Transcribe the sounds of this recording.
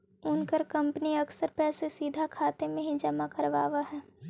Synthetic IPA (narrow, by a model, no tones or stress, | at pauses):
ʊnkəɾkɐ̃mpniɐksəɾpɛːsesiːd̪ʱakʰaːt̪emẽɦĩd͡ʒɐmakɐɾʋaːʋaɦɛː